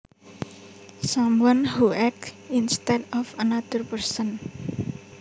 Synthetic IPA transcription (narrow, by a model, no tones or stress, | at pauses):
samwanhuʔɛk̚tinst̪ɛdɔfənad̪̥ərpərsən